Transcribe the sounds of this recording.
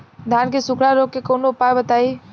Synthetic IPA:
d̪ʱaːnkesʊkʰɽaɾoːkːekoːnoːpaːjbət̪aːiː

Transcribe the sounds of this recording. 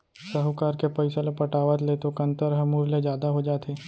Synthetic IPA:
səɦʊkaːɾkepɐɪsəlopɐʈaːʋət̪leːt̪okɐ̃nt̪əɾɦɐmuɾled͡ʒjaːd̪aɦod͡ʒaːt̪ʰeː

